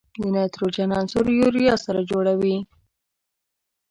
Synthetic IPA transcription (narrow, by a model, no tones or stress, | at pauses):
d̪ənɑt̪ɾod͡ʒanɑnsoɾjuɾijɑsaɾad͡ʒoɽawi